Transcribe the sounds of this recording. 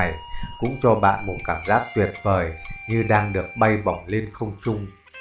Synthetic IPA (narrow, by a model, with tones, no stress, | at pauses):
jkʊ̰˧˥ŋ͡mt͡ɕɔ˧ɓa̰ː˧˨nmo˨˩t̚kaː˧˩mzaː˦˥k̚t̪wi˨˩ət̚vəː˨˩jɲɨ˧ɗaː˧ŋɗɨ˨˩ək̚ɓa˧jɓa˨˩wŋ͡mle˧nxə˧wŋ͡mt͡ɕʊ˧ŋ͡m